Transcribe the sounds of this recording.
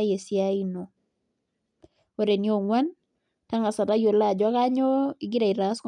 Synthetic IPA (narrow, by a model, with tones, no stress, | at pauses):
je˨sja˦i˦no˨ | o˨ɾe˨ni˦o˨ŋwa˦n | ta˦ŋa˨sa˨ta˦jo˨la˦˨d͡ʒa˦ka˦ɲo˦i˨ɡɪ˦ɾa˨i˨ɾa˨˦sk